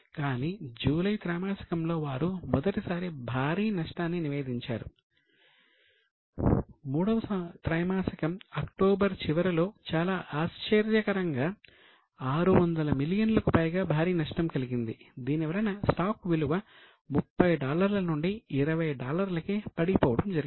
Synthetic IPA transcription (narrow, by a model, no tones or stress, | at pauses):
kaːniːd͡ʒuːlɐjt̪ɾɐjmaːsɐ̥kɐmlo̞ːʋaːɾumɔd̪ɐʈisaːɾibʱaːɾiːnɐʂʈaːnːiniʋe̞ːd̪iɲt͡ʃa̰ːɾu | muːɽɐʋɐsɐt̪ɾɐːjmaːsɐkɐmɐkʈoːbɐɾt͡ʃiʋɐɾɐlo̞ːt͡ʃaːlaːʔaːʃt͡ʃɐɾjɐkɐɾɐŋɡaː | aːɾuʋɐnd̪ɐlɐmiljɐnlɐkupɐjɡaːbʱaːɾiːnɐʂʈɐmkɐliɡind̪id̪iːnɛʋɐɾɐjnɐsʈaːkʋiluʋɐ | mupːɐjɖaːlɐɾlɐnuɳɖiːɾɐʋɐjɖaːlɐɾlɐkeːpɐɽipɔːʋɐɽɐmd͡ʒɐɾiɡ